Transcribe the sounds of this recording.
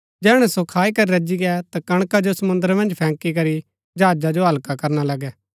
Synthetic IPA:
d͡ʒɛːɽ̃ɛ̃sokʰaːikɐɾiɾɐd͡ʒiɡɛt̪akɐɽ̃kad͡ʒosɐmʊ̃nd̪əɾmɐ̃nd͡ʒpʰɛ̃ːkikɐɾi | d͡ʒaːd͡ʒad͡ʒoɦɐlkakɐɾnalɐɡɛː

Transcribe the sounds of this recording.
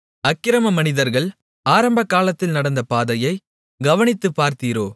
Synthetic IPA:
ɐkːɪɾɐmɐmɐnɪðɐɾɣɐɭ | aːɾɐmbɐkːaːlɐt̪ːɪlnɐɽɐnd̪ɐpaːðɐjɐɪ | ɡɐʋɐɳɪt̪ːɯpːaːɾt̪iːɾoː

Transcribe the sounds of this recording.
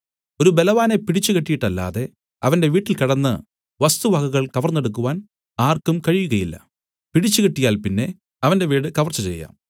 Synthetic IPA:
o̞ɾube̞lɐʋaːne̞piɽit͡ɕːukeʈːijiʈːɐlːa̰ːðe̞ | ɐʋɐnde̞ʋiːʈːilkɐɽɐnːɨ | ʋɐst̪uʋɐɣɐɣɐɭkɐʋɐrnːe̞ɽukːuʋaːn | aːrkumkɐɻijuɣɐjilːɐ̰ | piɽit͡ɕːukeʈːijaːlpinːe̞ | ɐʋɐnde̞ʋiːɽɨkɐʋɐrt͡ɕːɨt͡ɕe̞̰jːa̰ːm

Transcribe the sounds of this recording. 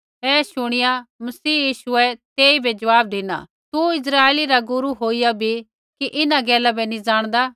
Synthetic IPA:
ɦɛːʃʊɽ̃ɪjamɐsiːjiːʃʊɛt̪eːibʱɛd͡ʒɐʋaːb̚d̪iːna̰ː | t̪uɪs̬ɾaːeliɾaɡʊɾuɦoːijabʱi | kiʔɪnaɡɛːlabɛnĩd͡zaːɽ̃d̪aː

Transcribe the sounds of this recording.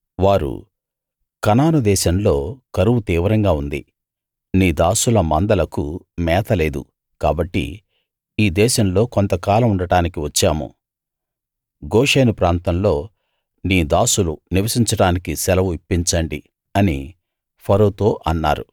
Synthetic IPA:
ʋaːɾṵ | kɐnaːnud̪ɛːʃɐmlo̞ːkɐɾuʋut̪iːʋɐɾɐŋɡaːund̪ḭ | niːd̪aːsulɐmɐnd̪ɐlɐku | mɛːt̪ʰɐle̞ːd̪ṵ | kaːbɐʈːḭ | iːd̪ɛːʃɐmlo̞ːkont̪ɐkaːlɐmuɳɖɐɽaːnikiʋɐt͡ʃːaːmṵ | ɡoːʂeːnupɾaːnt̪ɐmlo̞ː | niːd̪aːsuluniʋɐsiɲt͡ʃɐɽaːnikisɛlɐʋuipːiɲt͡ʃɐɳɖi | ɐnḭ | pʰɐɾoːt̪o̞ːʔɐnːa̰ːɾu

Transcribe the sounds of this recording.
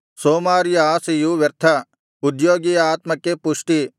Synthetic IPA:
soːmaːɾjaːsejuʋɐɾt̪ʰa | ʊd̪joːɡiaːt̪mɐkepʊʃʈ̪i

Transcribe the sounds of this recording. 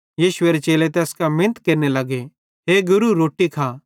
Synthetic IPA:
jiːʃʊeɾet͡ʃeːlet̪̬eɐskamɪ̃nət̪keɾnelɐɡe | ɦeɡʊɾuɾoːʈikʰaː

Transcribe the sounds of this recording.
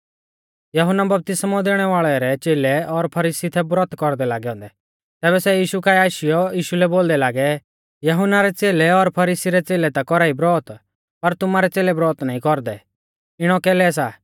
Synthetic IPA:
jɐɦʊnːabɐp̚t̪ɪsmɔd̪eːɽ̃ɛʋaːɭɛɾɛt͡ʃeːlɛɔɾpʰɐɾiːsit̪ʰɛbɾɔːt̪kɔɾd̪ɛlaːɡɛɦɔ̃ːnd̪ɛ | t̪ɛːbɛsɛjiːʃukaːiaːʃɪjɔjiːʃulɛboːld̪ɛlaːɡɛ | jɐɦʊnːaɾɛt͡seːlɛɔɾpʰɐɾiːsiɾɛt͡seːlɛt̪akɔɾaːibɾɔːt̪ | pɐɾt̪ʊmaɾɛt͡seːlɛbɾɔːt̪naːĩkɔɾd̪ɛ | ɪɽ̃ɔkɛːlɛsa

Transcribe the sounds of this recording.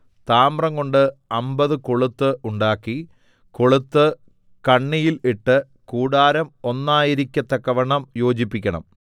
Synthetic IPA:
t̪aːmrɐŋko̞ɳɖɨɐmbɐðɨkoɭut̪ːɨʔuɳɖaːkːi | ko̞ɭut̪ːɨ | kɐɳːijiliʈːɨ | kuːɽaːɾɐmo̞nːaːjiɾikʲːɐt̪ːɐkːɐʋɐɳːɐmjo̞ːd͡ʑipːikʲːɐɳɐ̰m

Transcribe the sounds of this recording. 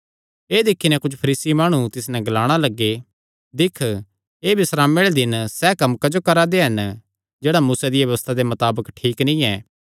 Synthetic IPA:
eːd̪ɪkʰːinɛ̃kʊd͡ʒʰpʰɐɾiːsimaːɽ̃ũt̪ɪsnɛ̃ɡɐlaːɽ̃alɐɡːe | d̪ɪkʰ | eːbɪsɾaːmeɽed̪ɪnsɛːkɐmkɐd͡ʒokɐɾad̪eɦɐn | d͡ʒeːɽamuːsad̪ɪjaʋɐʋəst̪ʰad̪emɐt̪aːbəkʈʰiːknĩɛː

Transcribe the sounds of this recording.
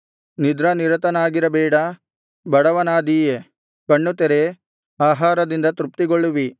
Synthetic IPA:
nid̪ɾɐniɾɐt̪ɐnaːɡiɾɐbɛːɽɐ | bɐɽɐʋɐnaːd̪iːje | kɐɳːut̪ɛɾe | aːɦaːɾɐd̪ind̪ɐt̪ɾup̚t̪iɡoɭːuʋi

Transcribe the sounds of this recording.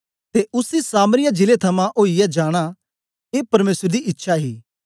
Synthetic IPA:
t̪eʔʊsisaːməɾɪjãd͡ʒɪlet̪ʰɐmãʔoːijɛd͡ʒaːɽ̃a | eːpɐɾmeːsəɾd̪iʔɪtːʃʰaɦiː

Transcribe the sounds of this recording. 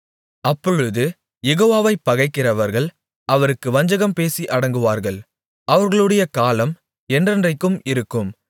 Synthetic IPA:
ɐpːɔɻɯðɯ | jɛɣoːʋaːʋɐɪpːɐɣɐɪkːɪrɐʋɐɾɣɐɭ | ɐʋɐɾɯkːɯʋɐɲd͡ʒɐɣɐmpeːsiʔɐɽɐŋɡɯʋaːɾɣɐɭ | ɐʋɐɾɣɐɭɯɽɐjɐkaːlɐm | ɛndrɐndrɐɪkːɯmɪɾɯkːɯm

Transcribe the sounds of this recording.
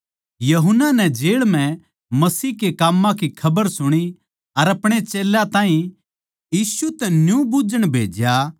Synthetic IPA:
jɐɦʊnːanɛd͡ʒeːɭm̤ɛ̃ | mɐsiːkekaːmːãkikʰɐbəɾsʊɽ̃i | ɐɾɐpɽ̃et͡ʃeːlat̪ãːĩ | jiːsut̪ɛnjũbud͡ʒəɽ̃bʱḛːd͡ʒja

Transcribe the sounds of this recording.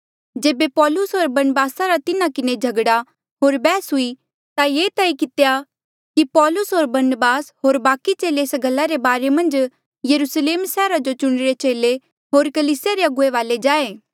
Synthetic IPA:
d͡ʒeːbepɔːlʊsɦoːɾbɐɾnəbaːsaɾat̪ɪnakɪned͡ʒʱɐɡɽa | ɦoːɾbɛːsɦʊi | t̪ajeːt̪aːikɪt̪ja | kipɔːlʊsɦoːɾbɐɾnəbaːsɦoːɾbaːkit͡ʃeːleːsɡʱɐlːaɾebaːɾemɐ̃nd͡ʒ | jɐɾusleːmsɛːɾad͡ʒot͡ʃʊɽ̃ɪɾet͡ʃeːle | ɦoːɾkɐliːsɪjaɾeɐɡʊeʋaːled͡ʒaːeː

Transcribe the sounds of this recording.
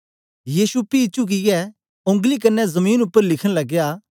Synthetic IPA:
jiːsupiːt͡ʃuk̬ɪjɛ | õŋɡlik̬ɐnːɛzɐmiːnʊpːəɾlɪkʰə̃ɽ̃lɐɡjaː

